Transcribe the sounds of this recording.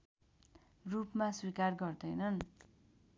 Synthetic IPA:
rupmaswikarɡʌrd̪ʌjnʌn

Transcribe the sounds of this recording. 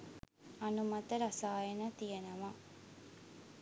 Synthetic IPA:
ɐnumɐt̪əɾɐsaːjenət̪ijenɐʋa

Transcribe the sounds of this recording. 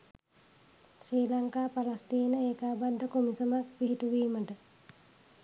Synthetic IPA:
sɾiːlaŋkaːpalast̪iːnəeːkaːbad̪ʱːəkumisəmak̚piɦit̪uʋiːməɖə

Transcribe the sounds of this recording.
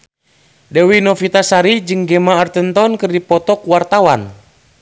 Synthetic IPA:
dɛwinɔfit̪asaɾid͡ʒɨŋɡɛmaːrt̪ɛnt̪ɔnkɨrdipɔt̪ɔkwart̪awan

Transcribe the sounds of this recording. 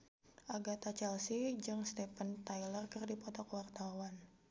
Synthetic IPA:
ʔaɡat̪at͡ʃɛlsid͡ʒɨŋst̪ɛpənt̪ajlərkɨrdipɔt̪ɔkwart̪awan

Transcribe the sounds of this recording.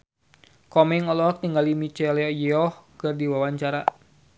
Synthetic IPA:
kɔmɛŋɔlɔt̪iŋɡalimit͡ʃɛlɛɔjɛɔhkɨrdiwawaɲt͡ʃaɾa̰

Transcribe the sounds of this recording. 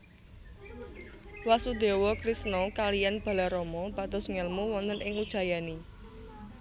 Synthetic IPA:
wasud̪̥e̤wɔkɾisnɔkalijanb̥a̤laɾɔmɔb̥ad̪̥ɔ̤sŋɛlmuwɔnt̪ənʔɪŋud̥ʒ̥a̤jani

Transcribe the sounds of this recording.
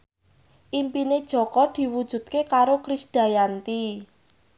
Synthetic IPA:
ʔimpined̥ʒ̥ɔ̤kɔd̪̥i̤wud̥ʒ̥ṳt̪̚kekaɾokɾisd̥a̤jant̪i

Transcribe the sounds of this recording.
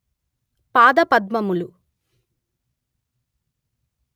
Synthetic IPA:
paːd̪ɐpɐd̪̚mɐmulu

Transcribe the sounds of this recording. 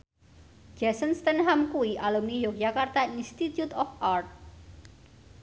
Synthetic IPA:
d͡ʒ̥asənst̪ənɦamkuwiʔalumnijohjakart̪ainst̪it̪jut̪ɔfart̪̚

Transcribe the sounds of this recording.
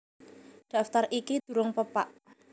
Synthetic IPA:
ɖ̥a̤ft̪arʔikid̪̥ṳɾʊŋpəpaʔ

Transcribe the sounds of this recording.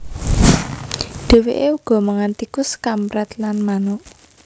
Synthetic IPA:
ɖ̥e̤weʔeuɡ̥ɔ̤məŋant̪ikʊskamɾɛt̪lanmanʊʔ

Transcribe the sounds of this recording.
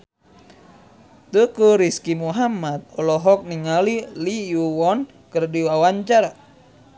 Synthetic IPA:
t̪ukuɾiskimuɦamat̪̚ɔlɔɦɔk̚niŋalilijuwɔn | kɨrdiwawaɲt͡ʃar

